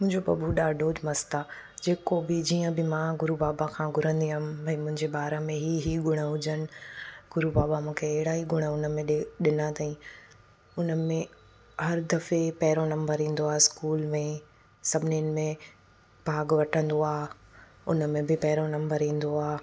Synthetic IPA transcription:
mʊ̃ɦɪ̃ɲd͡ʑobɐbʱuɗaːɖʱoːd͡ʑmɐst̪a | d͡ʑeːkobɪd͡ʑiːə̃bɪmãɡʊɾubaːbakʰãːɡʱʊɾə̃nd̪iɦəmbʱɐ̃imʊ̃ɦɪ̃ɲd͡ʑebaːɾəmẽɦiːɦiɡʊɽ̃əɦʊd͡ʑənɪ̆ɡ̥ʊɾubaːbamũːkʰeːɦɪɽaːɦiɡʊɽ̃əʊnə̆mẽɗɪnat̪aĩ | ʊnə̆mẽ | hɐɾd̪ɐfepɐɦɪɾonɐ̃mbəɾɦĩːn̆d̪oaːɦeskuːlmẽ | sɐbʱɪniənɪ̆mẽ | b̥ʱaːɡʋɐʈʰə̃nd̪oaː | ʊ̰nə̆mẽbɪpɐɦɪɾonɐ̃mbəɾɦĩːn̆d̪oaː

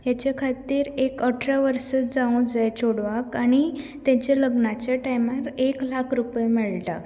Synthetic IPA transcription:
jat͡ɕakʰat̪ːiːɾekəʈʰɾaʋəɾsət̪d͡zaũd͡zajt͡ɕʰoɽʋakaɽ̃it̪ɛ̃t͡ɕeləɡnat͡ɕjaʈajmaɾeklakʰɾupjemɛɭʈa

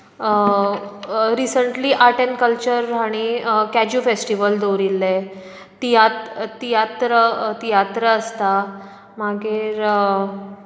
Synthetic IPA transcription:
ɾisəɳʈliːʔaʈenkəlt͡ɕəɾɦaɽ̃ikæd͡ʑufesʈiʋəld̪oɾilːe | t̪ijat̪t̪ijat̪ɾət̪ijat̪ɾəːst̪a | maɡʱeɾ

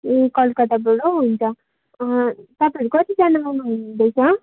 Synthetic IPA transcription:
ekʌlkʌd̪abʌɽoɦunt͡sʰʌ | t̪ʌpaĩikʌt̪id͡zanamanɦund̪ʌjt͡sʰʌ

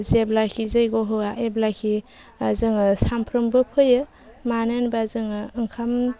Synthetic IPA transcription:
zeblakʰizɯjɡɔɦɯaʔeblakʰi | azɯŋɯsampʰɾɯmbɯpʰɯjɯ | manenbazɯŋɯŋkʰam

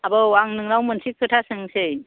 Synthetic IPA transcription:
abɯwaŋnɯŋnawmɯnsikʰɯtʰasɯŋsej

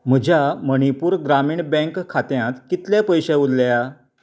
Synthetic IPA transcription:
m̤əd͡ʑʱaməɽ̃ipuːɾɡɾamiːɳbɛ̃ŋkʰːat̪jãt̪kit̪ljapəjɕeud̪lja

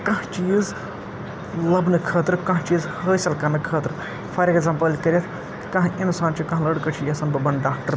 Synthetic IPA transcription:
kɐ̃ɦt͡ʃiːz | lɐbnɨkʰəːt̪ɾkɐ̃ɦt͡ʃiːzhəːsɐlkɐnɨkʰəːt̪ɾ | fʰɐɾʲekɡzɐmpɐlʲkɐɾʲɐt̪ʰ | kɐ̃ɦʔinsaːnt͡ʃʰikɐ̃ɦlɐɽkɐt͡ʃʰijɐsɐnbɐbɐnɖaːk̚ʈɐɾ

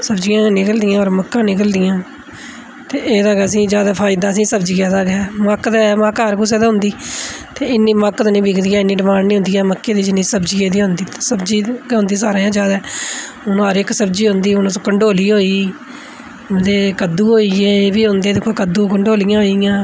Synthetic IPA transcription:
səbd͡ʒɪjãːnɪkəld̪ɪjãːɔːɾməkːãːnɪk̬əld̪ɪjãː | t̪eːʔeːd̪aːɡɛːəsĩːd͡ʒjaːd̪aːpʰaːɪd̪aːəsĩːsəbd͡ʒiːaːd̪aːɡɛːməkd̪ɛməkɦəɾkʊs̬eːd̪aːɦʊ̃nd̪iːt̪eːɪnːiːməkd̪nĩːbɪkʰd̪iːaːɪnːiːɖɪmaːnniːɦʊ̃nd̪iːɛːməkːeːd̪iːd͡ʒɪnːiːsəbd͡ʒieːd̪iːɦʊ̃nd̪iːt̪ːsəbd͡ʒiːɦʊ̃nd̪iːsaːɾẽːjãːd͡ʒjaːd̪ɛː | ʊnːɦəɾɪksəbd͡ʒiːɦʊ̃nd̪iːʊnõːkəɳɖoːliːɦoːiː | d̪eːkəd̪ːuːɦoːieːbiːɦʊnd̪eːd̪ɪkʰːoːkəd̪ũːkəɳɖoːlɪjãːɦoːijãː

